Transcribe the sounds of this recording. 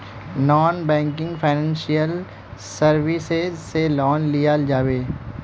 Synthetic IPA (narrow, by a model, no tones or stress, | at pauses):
nɔːnbɛ̃ːŋkɪ̃ŋɡfʰaɪnɛ̃ːnʃijəl | sɐɾʋɪsezselɔːnlijad͡ʒaːʋeː